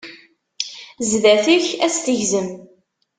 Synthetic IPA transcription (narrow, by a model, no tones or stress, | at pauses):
zðæθiçæst̪əʝzəm